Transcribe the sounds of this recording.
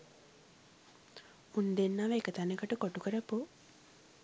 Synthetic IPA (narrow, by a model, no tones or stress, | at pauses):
und̪enːaʋəekət̪anekəʈəkoʈukəɾəpu